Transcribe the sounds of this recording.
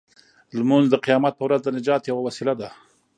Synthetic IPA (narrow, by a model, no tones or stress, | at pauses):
lmunzd̪əqijɑmat̪̚pəwɾazd̪ənɪd͡ʒɑt̪jawawasilad̪a